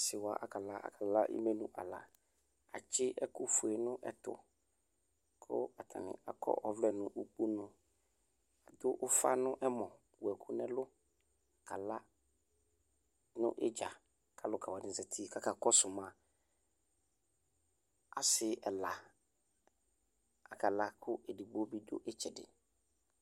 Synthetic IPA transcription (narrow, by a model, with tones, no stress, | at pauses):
sɪ˨wa˨ʔa˨ka˨la˦ʔa̰˨kʰa˨la˦ʔḭ˦me˦nʊ̃˨ʔa̰˨la̰˨ | a̰˨t͡ʃɪ˦ʔɛ˦kʊ˦fu˨ɛ˨nʊ̃˦ʔɛ̰˨tʊ̰˨ | kʰʊ̰˦a˨tʰa̰˨nɪ̰̃˨a˨kʰɔ̰˦ʔɔ˦vlɛ˨nʊ̃˨ʔu˨k͡pu˦nʊ̃˦ | a˨dʊ˦ʔʊ˦fa˦nʊ̃˦ʔɛ˦mɔ̃˨ | wɛ˨kʰʊ˦nɛ˦lʊ˦ | a˨kʰa˨la˦ | nʊ̰̃˦ʔɪ̰˦d͡ʒa˨ | kʰa˨lʊ˨kʰa˨wa˨dɪ̃˨˦zɛ˨tʰi˦˨kʰa˦ka˨kɔ˦sʊ˨mã˨ | a̰˨sɪ˦ɛ˨la˨ | a˨kʰa˨la˦kʰʊ˦ʔɛ˨di˨ɡ͡bo˦bi˦dʊ̰˦ʔɛ˦t͡ʃʰɛ˨dɪ̰˨